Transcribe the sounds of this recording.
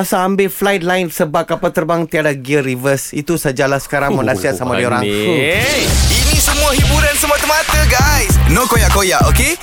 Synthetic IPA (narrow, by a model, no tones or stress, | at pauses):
asaːmbeflajt̪̚laɪnsəbap̚kapat̪ərbaŋt̪iadaɡiəɾivəsit̪usad͡ʒalahsə̥kaɾaŋmənãsiat̪samadioɾa | inĩsəmũaɦibuɾansəmuat̪əmat̪əɡajsnokojaʔkojaʔoke